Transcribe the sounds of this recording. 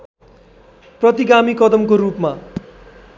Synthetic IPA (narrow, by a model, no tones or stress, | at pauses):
prʌt̪iɡamikʌd̪ʌmkoɾupma